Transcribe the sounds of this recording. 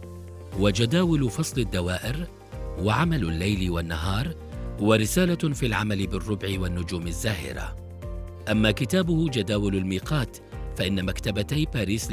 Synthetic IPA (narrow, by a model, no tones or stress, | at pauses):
wad͡ʒad̪aːwɪlfɑsˤlɪd̪ːawaːʔɪɾ | waʕamalʊlːajlwanːaɦɑːɾˤ | hwaɾɪsaːlafiːlʕamalɪbɪrˤːʊbʕɪwanːʊd͡ʒuːmazːaːhɪ̰ɾa̰ | ʔamːaːkɪt̪aːbʊhʊd͡ʒad̪aːwalalmiːqɑːt̪ | faʔɪnːamakt̪abat̪ajbaːɾiːs